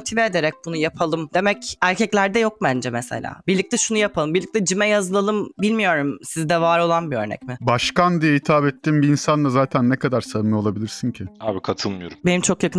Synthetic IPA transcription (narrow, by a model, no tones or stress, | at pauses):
t̪ʰiveːd̪eɾɛc̚bunujapʰalˠɯmd̪e̞mɛcæɾcʰɛclʲæɾd̪ɛjo̞k̚bænd͡ʒɛmɛsḛlʲa̰ːbiɾlʲic̚t̪ʰɛʃunujapʰalˠɯmbiɾlʲict̪ʰʲɛd͡ʒimɛjazɯlˠalˠɯmbilʲmijo̞ɾumsizd̪ɛvaːɾo̞lˠanbiø̞ɾnɛ̰cmɪbaʃkand̪ijɛit̪ʰaːbɛt̪ːiːmbiːnsand̪ˠazaːt̪ʰænːɛkad̪aɾsamɯolˠabilʲiɾsiɲcʰɪaːbikʰat̪ʰɯlˠmɯjo̞ɾumbenimt͡ʃʰo̞kjakɯn